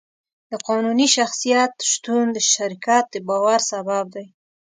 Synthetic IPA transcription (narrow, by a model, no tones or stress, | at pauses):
d̪̥əqɑnuniʃaxsijat̪ʃt̪und̪əʃaɾikɑt̪̚d̪əbɑwaɾsabab̚d̪aj